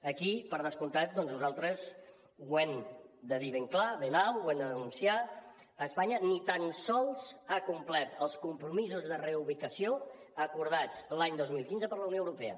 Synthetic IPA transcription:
əkipəɾð̞əskunt̪at̪̚d̪ɔnznuzalˠt̪ɾəz | wɛmd̪əðiβeŋklaβenawwɛmd̪əðənunsiaː | spaɲənit̪ansɔlˠzakumplɛt̪əlˠskumpɾumizuzðəreuβikəsio | əkuɾð̞at͡slaɲd̪ozmilˠkinzəpəɾləwnioəwɾupɛə̰

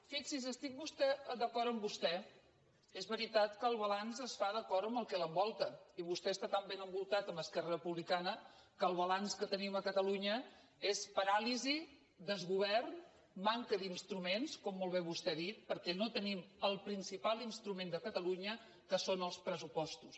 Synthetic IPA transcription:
fiksizəst̪ik̚bust̪ɛd̪əkɔɾəmbust̪ɛ | ezβəɾit̪at̪kəːlˠβəlanzəsfað̞əkɔɾəmbəlˠkɛləmbɔlˠt̪əiβust̪ɛəst̪at̪ambenəmbulˠt̪at̪əməskɛrərəpuβlikanə | kəːlˠβ̞əlanskət̪əniməkət̪əluɲə | espəɾalizi | d̪əzɣuβ̞ɛrn | maŋkəðinst̪ɾumenskɔmːolˠβɛβust̪ɛðit̪̚pəɾkɛnot̪əniməlˠpɾinsipalˠinst̪ɾumend̪əkət̪əluɲə | kəsonəlˠspɾəsupɔst̪us

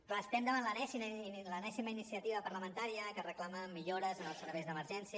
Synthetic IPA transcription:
rəst̪ɛmd̪əβanlənɛsilənɛsiməinisiət̪iβəpəɾləmənt̪aɾiəkərəklaməmːiʎoɾəzənəlˠsəɾβɛjzðəməɾʒɛnsiə

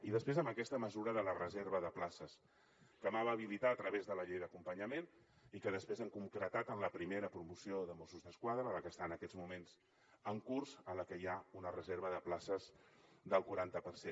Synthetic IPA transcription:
iðəspɾezəmbəkɛst̪əməzuɾəðələrəzeɾβəðəplasəs | kəmaβaβilit̪at̪ɾəβezðələʎejðəkumpəɲəmen | ikəðəspɾezəŋkuŋkɾət̪at̪ənləpɾimeɾəpɾumusioðəmosuzðəskwaðɾəələkəst̪aːnəkɛd͡zmumenz | əŋkurz̥ələkəjaunərəzeɾβ̞əðəplasəzd̪əlˠkuɾant̪əpəɾse

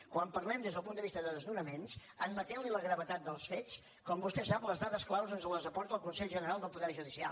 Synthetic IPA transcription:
kwampəɾlɛmd̪ezðəlˠpund̪əβist̪əðəðəznunəmens | əmmət̪ɛwliləɣɾəβət̪at̪̚d̪əlˠsfet͡s | kɔmbust̪ɛsapləzðaðəsklawzənzəlˠəzəpɔɾt̪əlˠkunsɛʎʒənəɾalˠd̪əlˠpuðɛɾʒuðisia̰

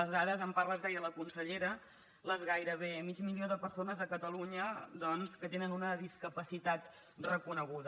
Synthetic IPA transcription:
əzðaðəzəmparləzðɛjələkunsəʎeɾə | ləzɣajɾəβ̞eəmid͡ʒmilioðəpəɾsonəzəkət̪əluɲəd̪ɔnskət̪enənunəðiskəpəsit̪at̪ | rəkunəɣ̞uðə

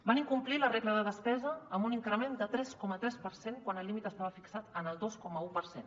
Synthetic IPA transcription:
baniŋkumplilərɛɣləðəðəspɛzəːmbuniŋkɾəmend̪ət̪ɾɛskɔmət̪ɾɛspəɾseŋkwanəlːimit̪əst̪aβəfiksat̪ənəlˠd̪oskɔməupəɾsen

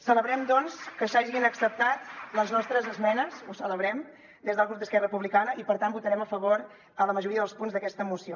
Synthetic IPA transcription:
sələβɾɛmd̪ɔnskəsaʒinəksəp̚t̪at̪ləznɔst̪ɾəzəzmɛnəsusələβɾɛm | d̪ezðəlˠɣɾup̚d̪əskɛrəpuβlikanəʔipəɾt̪ambut̪əɾɛməfəβoɾ | ələməʒuɾiəðəlˠspunzðəkɛst̪əmusio

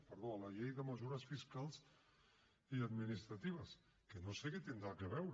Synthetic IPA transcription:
pəɾðoləʎejðəməzuɾəsfiskalˠz | iəd̪minist̪ɾət̪iβ̞əs | kənoseket̪ind̪ɾakəβɛwɾ

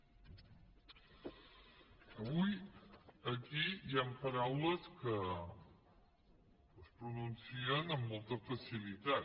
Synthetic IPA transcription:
əβuj | əkijampəɾawləskə | spɾununsiənəmːɔlˠt̪əfəsilit̪a

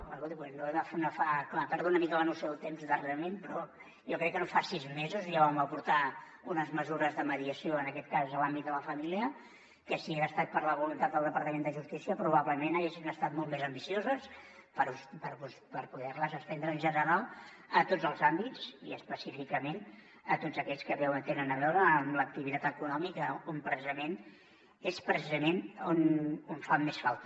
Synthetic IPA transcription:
paɾɣot̪iwɛnoɛəfnəfaklapɛɾðuunəmikələnusjoðlˠt̪emzðəreɾəmenpɾɔ | jɔkɾɛkːənofasizmezuzjaβaməpuɾt̪a | unəzməzuɾəzðəməðiəsijoənəkɛt̪̚kazəlambit̪̚d̪ələfəmiliə | kəsieəst̪at̪̚pəɾləβulunt̪at̪d̪əlˠd̪əpəɾt̪əmend̪əʒust̪isiəpɾuβ̞aβləmenaʒɛʃinəst̪at̪̚molˠt̪mezəmbisiozəspəɾuspəɾpupəɾpuðɛrləzəst̪ɛnd̪ɾəːnʒənəɾalˠ | ət̪od͡zəlˠzambit͡sḭəspəsifikəmen | ət̪odzəkɛʎskəβɛwt̪enənəβɛwɾəːmlək̚t̪iβit̪at̪əkunɔmikəompɾəsizəmen | espɾəsizəmenononfamːesfalˠt̪

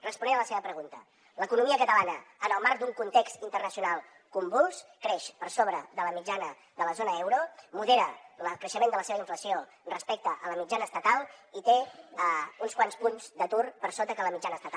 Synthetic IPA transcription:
rəspunɛnələseβəpɾəɣunt̪ə | ləkunumiəkət̪əlanəənəlˠmaɾkd̪uŋkunt̪ekst̪int̪ərnəsiunalˠ | kumbulˠskɾeʃpəɾsoβɾəðələmid͡ʒanə | ðələzonəɛwɾumuðeɾələkɾəʃəmẽnd̪ələseβəiɱfləsioənrəspɛk̚t̪əʔələmid͡ʒanəːst̪ət̪alˠit̪e | unskwanspunzd̪ət̪urpəɾsot̪əkələmid͡ʒanəːst̪ət̪

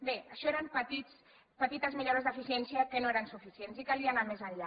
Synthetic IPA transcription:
beəʃɔeɾəmpət̪it͡s | pət̪it̪əzmiʎoɾəzðəfisiɛnsiəkənoeɾənsufisiensikaliənamezəʎʎa

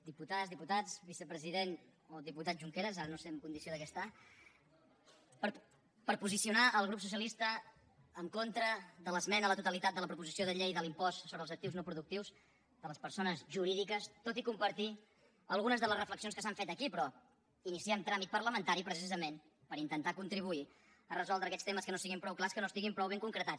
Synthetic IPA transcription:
d̪iput̪azðiput̪at͡sβisəpɾəziðenoðiput̪at̪̚ʒuŋkeɾəzaɾənoseəmkund̪isioðəkɛst̪a | pə | pəɾpuzisiunaʔəlˠɣ̞ɾupsus̬iəlist̪əː | ŋkont̪ɾəðələzmɛnəələt̪ut̪əlit̪at̪̚d̪ələpɾupuzisioðəʎejðəlimpɔssoβɾəlˠzəkt̪iwznopɾuðuk̚t̪iwz | ðələspəɾsonəzʒuɾiðikəst̪ot̪ikumpəɾt̪i | əlˠɣunəzðələzrəfləksionskəsaɱfɛt̪əkipɾɔ | inisiɛmt̪ɾamit̪̚pəɾləmənt̪aɾipɾəs̬izəmen | pəɾint̪ənt̪akunt̪ɾiβ̞ui | ərəzɔlˠd̪ɾəkɛst̪eməskənosiɣimpɾɔwklaskənost̪iɣimpɾɔwβeŋkuŋkɾət̪at͡s

